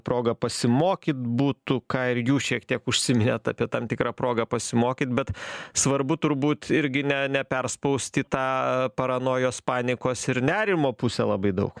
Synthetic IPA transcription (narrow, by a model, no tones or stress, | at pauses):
pɾoːɡɐpɐsʲɪmoːkʲɪt̪buːt̪ʊkɑːɪɾjuːʃʲiɛkt̪ʲiɛkʊʃʲsʲɪmʲɪnʲet̪ɑ̰ːpʲiɛt̪ɐmt̪ʲɪkɾɑːpɾoːɡɐpɐsʲɪmoːkʲit̪̚bʲɛt̪sʋɐɾbʊt̪ʊɾbuːt̪ɪɾʲɡʲɪnʲɛnʲɛpʲɛrspɐʊsʲt̪ʲiːt̪ɑːpɐɾɐnoːjoːspɑːnʲɪkoːsɪɾnʲæːɾʲɪmoːpusʲɛ̰lˠɐbɐɪd̪ɐʊk